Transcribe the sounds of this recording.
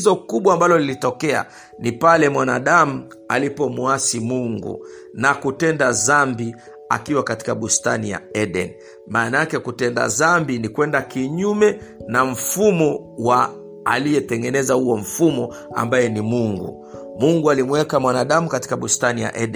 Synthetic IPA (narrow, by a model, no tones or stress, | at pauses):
zɔkuɓwaːmbalɔlilitɔkɛa̰ | nipalɛmwanaɗamu | a̰lipɔmuasimuŋɡṵ | nakutɛndazambi | a̰kiwakati̥kaɓustanija̰ɛɗɛ̰n | maːnaakɛkutɛnda̰zambinikwɛndakiɲumɛnam̩fumɔ | wa | a̰lijɛtɛŋɡɛnɛzahuɔm̩fumɔ | a̰mbajɛnimuŋɡṵ | muŋɡualimwɛkamwanaɗamukati̥kaɓustanija̰ʔɛɗ